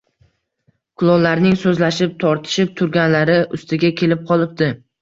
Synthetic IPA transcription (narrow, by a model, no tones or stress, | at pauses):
kʰʊlˠɒnlaɾnɪŋsɵzlaʃɪp̚t̪ʰɒɾt̪ʰɪ̥ʃɪp̚t̪ʰʊɾɡʲanlaɾɪʔʊst̪ɪɡʲakʲʰe̞lɪp̚qʰɒlˠɪp̚d̪ɪ